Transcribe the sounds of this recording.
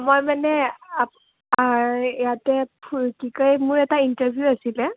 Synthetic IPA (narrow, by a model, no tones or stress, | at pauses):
mojmanɛa | aɹjatɛpʰukikɔjmʊɹɛtaintəbʱjuasilɛ